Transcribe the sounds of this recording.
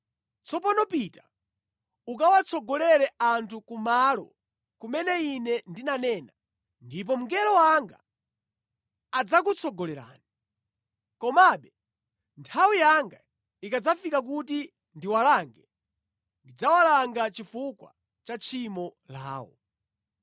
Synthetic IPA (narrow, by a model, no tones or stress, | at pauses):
t͡sɔpanɔpita | ukawat͡sʰɔɡɔlɛɾɛantʰukumalɔ̰ | kumɛnɛinɛndinanɛːna | ndip̬ɔm̩ɡɛlɔwaŋɡa̰ | ad͡zak̬ut͡sʰɔɡɔlɛɾa̰ːni | kɔmaɓɛ | ntʰawijaŋɡa | ikad͡zafikak̬uti | ndiwalaŋɡɛ | ndid͡zawalaŋɡat͡ʃifukwa̰ | t͡ʃat͡ʃʰimɔla̰ːwɔ̰